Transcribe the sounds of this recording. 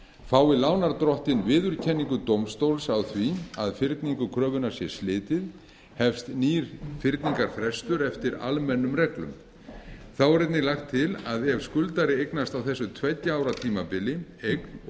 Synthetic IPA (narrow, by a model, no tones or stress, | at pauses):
faːwɪlaːwnaɾt̪ɾɔht̪ɪnvɪːðʏɾ̥cʰɛnːiŋkʏt̪owmst̪owlsawθviaðfɪɾt̪niŋkʏkʰɾœːvʏnasjɛ̥slɪːt̪ɪð | hɛfst̪niːɾ̥fɪɾt̪niŋkaɾ̥fɾɛst̪ʏɾɛft̪ɪɾa̰lmɛnːʏmrɛklʏ̰m | θawɛɾɛt̪nɪlaxt̪ʰːɪlaðɛv̥skʏlt̪aɾɪejknast̪awθɛsːʏt̪ʰvɛjt̪jaaːwɾat̪ʰiːmapɪlːɪejkn̥